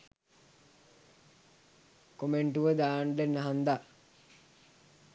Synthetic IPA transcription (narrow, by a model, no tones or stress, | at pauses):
komeɳʈuʋəd̪aːɳɖenːəɦand̪a